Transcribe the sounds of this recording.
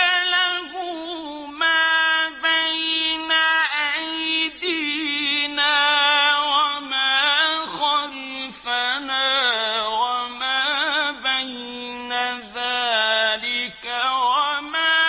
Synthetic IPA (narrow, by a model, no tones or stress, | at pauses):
alaɦʊ | maːbajnaʔajd̪i | naːwamaːxɑɾ | fanaːwamaːbaj | naðaːlɪkawamaː